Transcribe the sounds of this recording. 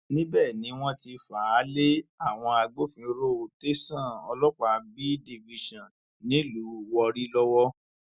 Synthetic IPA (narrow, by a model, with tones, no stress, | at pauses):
nĩ˦bɛː˦˨nĩ˨˦w̃ɔ̃˦ti˧fa˨˦le˦a˦˨w̃ɔ̃˧a˧ɡ͡bo˦fĩ˨˧ɾo˦o˨te˦sã˦˨ɔ̰˧lɔ˦k͡pa˨bi˦di˧vi˧ʃɔ̃˨n | nĩ˨˦lu˨˦wɔ˧ɾi˦lɔ˦wɔ˦